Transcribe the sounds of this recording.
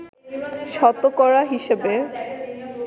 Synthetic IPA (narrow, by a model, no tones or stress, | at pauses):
ʃɔt̪okɔɾaɦiʃebe